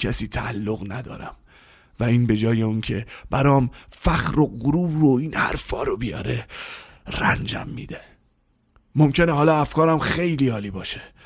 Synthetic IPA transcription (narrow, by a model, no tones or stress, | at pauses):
kʰæsiːt̪ʰæʔːlːoɣnæd̪ɒ̰ːɾæm | væiːnbe̞d͡ʒɒːje̞uncʰe̞b̥æɾɒːmfæxɾo̞ɡoɾuːɾoiːnhæ̰ɾfɒːɾobijɒ̰ːɾe̞ | rænd͡ʒæ̰mːiːd̪e | momcʰeneɦɒːlɒːæfkɒːɾæmxe̞jliːɒːliːbɒːʃe